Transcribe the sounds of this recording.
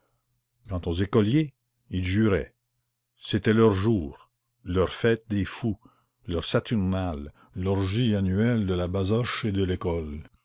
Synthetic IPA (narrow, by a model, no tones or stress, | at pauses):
kɑ̃t̪ozekɔlje | ilʒyːʁɛ̰ | set̪ɛlœʁʒuːʁ | lœʁfɛːt̪̚d̪eːfu | lœʁsat̪yʁnal | lɔʁʒianyɛld̪əlabazɔʃed̪əlekɔl